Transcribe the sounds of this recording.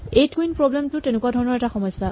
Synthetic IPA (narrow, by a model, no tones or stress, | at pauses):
ejtkuinpɹɔblɛmtʊtenʊkuwadʱɔɹɔnɔɹɛtaxɔmɔjsːa